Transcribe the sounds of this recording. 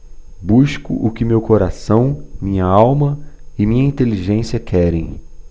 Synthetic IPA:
buʃkʊ̰ʔʊkɪmewkoɾasɐ̃w̃mĩɲɐawmɐɪmĩɲɐĩnt̪eliʒẽsiɐkʰɛɾẽj̃

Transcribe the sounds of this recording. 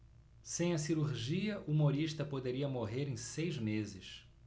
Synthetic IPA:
sẽj̃ɐsiɾuɾʒiɐʔuumoɾiʃt̪ɐpod̪eɾiɐmoɦeɾẽj̃sejzmezɪʃ

